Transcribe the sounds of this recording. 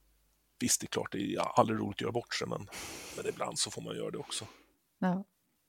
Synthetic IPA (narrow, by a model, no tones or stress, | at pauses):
vɪst̪d̪ɛklɑ̰ːʈ̚d̪ɛald̪ɾɪɾṵːlɪt̪ɔjœːɾabɔʈːʂɛmʔɛ̰nmɛnɪbla̰nd̪sɔfoːma̰njœ̰ːɾad̪ɛɔksɔ